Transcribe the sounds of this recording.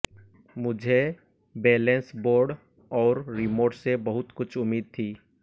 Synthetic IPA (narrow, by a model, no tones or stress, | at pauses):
mʊd͡ʒʱe | beːlɛ̃nsboːɾɖ | ɔːɾːɪmoːɾɖsebɐɦʊt̪kʊt͡ʃʰʊmːiːd̪̚t̪ʰiː